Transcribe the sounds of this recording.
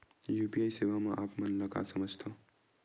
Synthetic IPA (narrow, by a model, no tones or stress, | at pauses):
jupiajsewamaʔapmʌnlʌka̰sʌməd͡ʒʱt̪ʰo